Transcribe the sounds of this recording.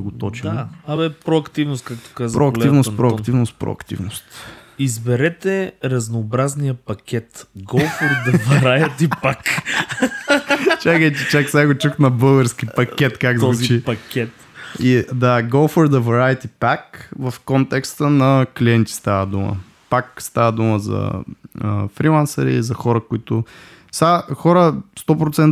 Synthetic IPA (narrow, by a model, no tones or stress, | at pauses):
ɡot̪ɔt͡ʃiaabɛpɾoɐkt̪ivnʊst̪̚kak̚t̪o̥kazpɾoɐkklivnost̪pɾoɐkt̪ivnost̪pɾo̰ɐ̰kt̪ḭvnost̪izbɛɾɛt̪ɛɾɐznoːbɾaznijəpɐkʲɛt̪ɡɔlˠfoɾd̪ɐvɐɾajɐt̪ipak | t͡ʃakəjt͡ʃɛt͡ʃaksɛaɡot͡ʃuxnɐbəlˠɡəɾsk̟ʲipɐkʲɛt̪kakzvuit͡ʃipɐkʲɛt̪ | id̪aɡolˠfoɾd̪ɐvɐɾajət̪ipakvɐfkɔnt̪ɛkst̪ənɐkliɛnt̪ʲi̥st̪avəd̪umə̰ | pakst̪avəd̪uməzɐ̰əfɾilˠansəɾḭzɐxɔɾəkʊit̪ʊ | saxɔɾəst̪ɔpɾot̪sɛn